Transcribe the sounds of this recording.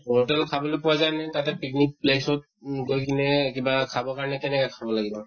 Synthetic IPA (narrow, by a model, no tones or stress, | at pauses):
otɛlkʰabɔlojpɔwazajnatatɛpiknik̚plesɔt̚ɡojkinɛkibakʰabɔkaɹɔnɛkɛnɛkakʰabɔlaɡibɔ